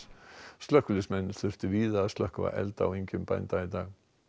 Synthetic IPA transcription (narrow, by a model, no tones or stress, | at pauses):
st̪œhkʏlɪsmɛnːʏɾ̥θʏr̥ft̪ɪviːðaːðst̪lœhkva̰ʔɛ̰lt̪a̰weɲcʏmpa̰jnt̪ait̪aːɣ